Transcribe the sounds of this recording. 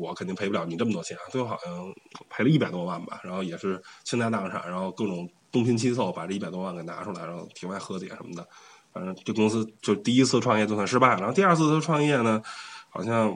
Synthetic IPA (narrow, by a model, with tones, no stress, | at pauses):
wɔ˨˧˥kʰnt̪i˥˩pʰɪu˧ljɑ˧˥ʊni˨˩ʈ͡ʂɤ˥˩mə˩t̪wɔ˥t͡ɕʰɛ˧˥na̰˥˩t̪wo˥xɑ˨˩ʊjɑ˥˩ŋpʰe˧˥ɪlə˧i˥˩pa˨˩ɪt̪wɔ˥wa˥˩nbɐ̰˩ɻa˧˥nxo˥˧˩ʊjɛ˨˩ʂɻ̩˥˩t͡ɕʰi˥ŋt̪a˥˧ɪt̪a˥˩ŋ˧ʈ͡ʂʰa̰˨˩nɻa˧˥nxo˥˧ʊkɤ˥˩ʈ͡ʂʊ˨˩ŋt̪ʊ˥ŋpʰi˥nt͡ɕʰi˥s̬o˥˩ʊpa˨˩ʈ͡ʂɤ˥˧i˥˩pa˨˩ɪwɔ˥wa˥˩nke˨˩ɪna̰˧˥ʈ͡ʂʰu˧˥˩a̰˧˥ɻa˧˥xo˥˧ʊt̪ʰi˧˥wa˥˩ɪxɤ˧˥t̪jɛ̰˨˩˦ʂə̰˧˥nmə˧˩d̪ə˩ | fnʈ͡ʂɤ˧˥ʈ͡ʂɤ˥˩ɡə˩kʊ˥ŋs̬ɹ̩˥t͡ɕjo˥˧ʂɻ̩˥˧t̪i˥˧i˥t͡sʰɹ̩˥˩əʈ͡ʂʰwŋjɛ˥˧t͡ɕo˥˧˩swa˥˩nʂɻ̩˥pa˥˩ɪɻa˧˥xt̪i˧ɐ˞˥˧t͡sʰɹ̩˥˩˥ʈ͡ʂʰwɑ˥˧ŋjɛ˥˩nə˩xɑ˨˩ʊɕjɑ˥˧ŋ